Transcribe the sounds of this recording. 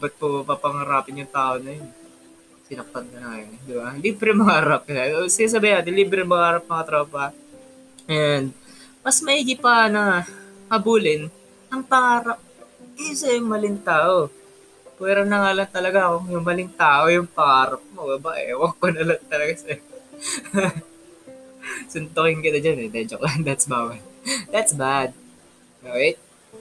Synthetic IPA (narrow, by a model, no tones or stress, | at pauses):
bɐt̪̚popɐpɐŋɐɾaːpɪnjʊŋt̪aːʔonɐjon | sɪnɐk̚p̪ɐnk̪ɐnɐŋɐjond̪ɪbaliːbɾɛmɐɡaːɾɐp̚kɐsɪnaːs̬ɐbajɪnaːt̪ɪnliːbɾɛŋmɐɡaːɾɐp̚mɐŋɐt̪ɾɐpɐ | ʔɛnd̪mɐsmɐhiːɡɪpɐnɐhɐbuːlɪn | ɐŋpɐŋaːɾɐp̚isɐjʊŋmɐlɪŋt̪aːʔo̞ | pwɛːɾonɐŋaːlɐnt̪ɐlɐɡaɐkoŋjʊŋmɐlɪŋt̪aːʔo̞jʊŋpɐʔaːɾɐp̚mo̞ɡɐbaʔɛ̰wɐɡ̚pɐnɐlɐŋt̪ɐlɐɡasɛ | sʊnt̪okɪŋkɪt̪ɐd͡ʒɐnɛnɛd͡ʒoklɐnd̪ɐt̪sbawɛd̪ɐt̪sbad̪̚ | ʔoːajt̪̚